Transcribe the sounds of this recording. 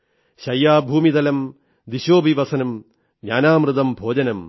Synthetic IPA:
ɕɐjːaːbʱuːmid̪ɐlɐm | d̪iɕoːbʱiʋɐsɐnɐm | ɲaːnaːmɾɨd̪ɐmbʱoːd͡ʑɐnɐm

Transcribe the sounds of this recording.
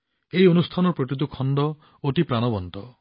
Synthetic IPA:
eionust̪ʰanɔpɾoʈit̪̬ukʰɔnɖ̪ɔ | oʈipɾaɽ̃ɔbɔnt̪ɔ

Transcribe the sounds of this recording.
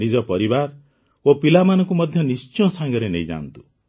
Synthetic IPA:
nid͡ʒɔpɔɾibaɾ | opilamanɔ̃ŋkumɔd̪ʱjɔnist͡ʃɔ̃saŋɡɔɾenḛjd͡ʒa̰nt̪u̥

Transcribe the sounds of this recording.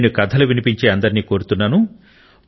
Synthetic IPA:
nukɐd̪ʰʱɐluʋinipiɲt͡ʃeːɐnd̪ɐɾiniːko̞ːɾut̪unːaːnu

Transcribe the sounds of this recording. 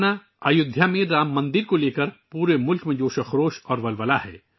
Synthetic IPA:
na | ajʊd̪ʱjamẽɾaːmːɐ̃nd̪ɪɾkoleːkəɾpuːɾemʊlkmẽd͡ʒoːʃɐxɾoːʃɔːɾʋɐlʋɐlaɦɛ̰ː

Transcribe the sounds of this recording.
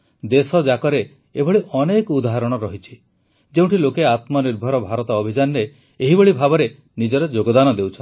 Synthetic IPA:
d̪esɔd͡ʒakɔɾe | ebɔɭiʔɔnekɔud̪aɦaɾɔɽ̃ɔɾɔɦit͡ʃʰi̥ | d͡ʒew̃ʈʰilokeat̪mɔniɾbʱɔɾɔbʱaɾɔt̪ɔːbʱid͡ʒanɾeː | ɦibɔɭibʱabɔɾe | nid͡ʒɔɾɔd͡ʒoɡɔd̪anɔd̪ewt͡ʃʰɔn

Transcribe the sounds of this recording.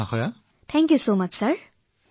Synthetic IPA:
axʰɔja | t̪ʰɛ̃ŋkjusoːmɐt͡ʃsɐɾ

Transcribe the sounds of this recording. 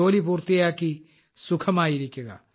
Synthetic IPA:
oːlipuɾt̪ijaki | sʊkʰəmaːiɾikeːɡa̰ː

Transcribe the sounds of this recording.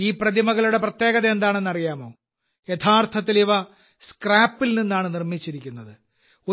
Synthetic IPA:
iːprɐðimɐɣɐɭuɽe̞prɐt̪je̞ːɣɐðɐend̪aːɳe̞nːɐrijaːmo̞ː | jet̪ʰaːrt̪ʰɐt̪̬ːiliʋɐ | skraːpːilninːaːɳɨnirmit͡ɕːiɾikʲːunːɐðɨ | o

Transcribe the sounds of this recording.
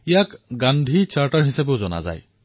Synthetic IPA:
jakɡanɖ̪ʱit͡ʃaɾʈəɾɦisabod͡zɔna̰d͡za̰j

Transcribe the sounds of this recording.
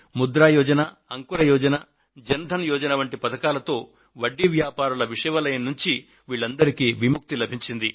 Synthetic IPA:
mud̪ɾaːjɔːd͡ʒɐna | ɐŋkuɾɐjɔːd͡ʒɐnɐ | d͡ʒɐnd̪ʱɐnjɔːd͡ʒɐnɐʋɐɳʈipɐt̪ɐkaːlɐt̪o̞ː | ʋɐɖːiʋjaːpaːɾulɐʋiʂɐjʋɐlɐjɐnːuɲt͡ʃi | ʋiːɭːɐnd̪ɐɾikiʋimuk̚t̪ilɐbʱiɲt͡ʃind̪i

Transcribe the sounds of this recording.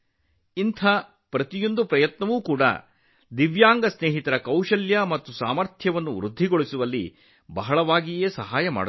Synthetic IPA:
int̪ʰa | pɾɐt̪ijond̪upɾɐjɐt̪nɐʋuːkuːɽɐ̰ | d̪iʋjaːŋɡɐsneːɦit̪ɐɾɐkɐwʂɐljɐmɐt̪ːusaːmɐɾt̪ʰjɐʋɐnːuʋɾud̪ʱːiɡoɭisuʋɐlːḭ | bɐɦɐɭɐʋaːɡijeːsɐɦaːjɐma̰ːɽɐ

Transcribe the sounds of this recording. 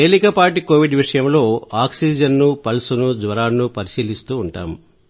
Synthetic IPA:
eːlikɐpaːʈiko̞ːʋiɖʋiʂɐjɐmlo̞ːaːksiːd͡ʒɐnnupɐlsunud͡ʒʋɐɾaːnːupɐɾisiːlist̪uːɳʈa̰ːm

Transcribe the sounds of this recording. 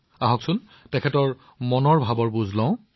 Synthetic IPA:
aɦɔksʊn | tɛkʰɛtɔɹ | mɔnɔɹbʱabɔɹbuzlɔ̃ʊ̃

